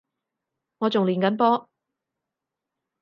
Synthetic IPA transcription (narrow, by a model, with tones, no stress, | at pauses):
ŋɔː˨˧t͡sʊ˨ŋliː˨˩nkɐ˨˥npɔː˥